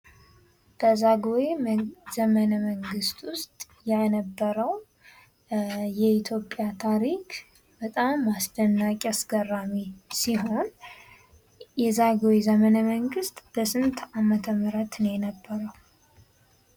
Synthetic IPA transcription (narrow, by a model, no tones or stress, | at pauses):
b̥əzaɡoezəmənəməŋɡɨst̪wʊst̪ʼ | janəbːəɾəw | jɛit̪ʰjo̞pʼːjat̪ʰaɾikʰ | b̥ət̪ʼamːasd̪ənːakʼasɡərːamisiɦo̞n | jɛzaɡowezəmənəməŋɡɨst̪ʼb̥əsɨnt̪ʰamət̪ʰəmɨɾət̪nenəbːəɾəw